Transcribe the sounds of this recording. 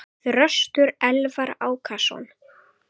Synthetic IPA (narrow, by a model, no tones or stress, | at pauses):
θrœst̪ʏɾɛlvaɾaːwkʰasɔ̰n